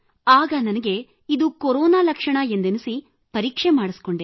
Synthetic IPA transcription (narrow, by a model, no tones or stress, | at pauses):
aːɡɐnɐnɐɡe̞ | id̪ukoɾɔːnaːlɐkʂɐɳɐend̪enisi | pɐɾiːkʂemaːɽisi̥ko̞ɳɖe